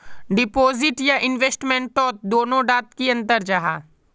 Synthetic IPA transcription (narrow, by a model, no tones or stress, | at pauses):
ɖɪpoːzɪʈjaʔɪnʋeːsʈmẽɳʈ̚ːɔːt̪̚d̪oːnõɖaːt̪kiɐ̃nt̪əɾd͡ʒaɦaː